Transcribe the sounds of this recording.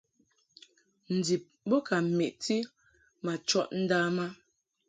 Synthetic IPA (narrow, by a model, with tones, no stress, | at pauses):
n̩˨di˨p̚bo˦ka˨m̩˨me˨ʔti˦ | ma˨t͡ʃɔ˦ʔn̩˦daː˦ma˦